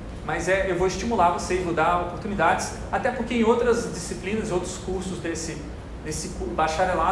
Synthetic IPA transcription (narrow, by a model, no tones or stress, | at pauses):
mɐzɛewvoɪst͡ʃimulaɾvosezvod̪aopoɾt̪unid̪ad͡ʒɪs | at̪ɛpoɾkeẽowt̪ɾɐzd͡ʒisiplĩnɐzɪowt̪ɾʊskuɾsʊzd̪esɪ | d̪esɪkubaʃaɾela